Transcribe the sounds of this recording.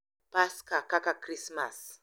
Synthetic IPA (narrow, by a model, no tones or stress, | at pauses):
paskakakakɾisma̰s